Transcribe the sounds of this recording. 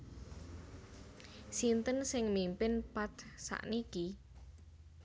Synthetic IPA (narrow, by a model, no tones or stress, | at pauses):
sint̪ənsɪŋmimpɪnpat̪sa̰ʔniki